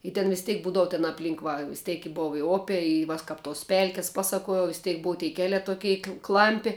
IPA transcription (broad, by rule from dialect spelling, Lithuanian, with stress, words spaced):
ɪ tʲɛn ʋʲɪs ˈtʲeːk ˈbuːdɐʋʊ tʲɛn ɐpʲˈlʲiːŋk ˈʋɐ ʋʲɪs ˈtʲeːk ɪ ˈboːw ɪ ˈoːpʲeː ɪ ˈʋɐ s ˈkɐp toːs ˈpʲɛlʲkʲɪs ˈpɑːˌsɑːkuɔjɛʊ ʋʲɪs ˈtʲeːk ˈboːʊ tʲɛɪ ˈkʲæːlʲæː toːˈkʲɛɪ ˈklˠɐmʲpʲɪ